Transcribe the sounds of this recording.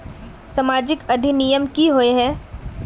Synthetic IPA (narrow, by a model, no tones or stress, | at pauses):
sɐmaːd͡ʒɪkɐd̪ʱinijəmkiɦoeɦɛː